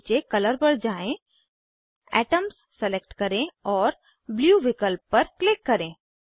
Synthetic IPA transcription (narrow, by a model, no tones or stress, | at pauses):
t͡ʃekɐləɾbɐɽd͡ʒaːẽ | ɛ̰ːʈəmsːɛlek̚ʈkɐɾẽɔːɾ | bljuːʋɪkəlpːɐɾklɪkːɐɾẽː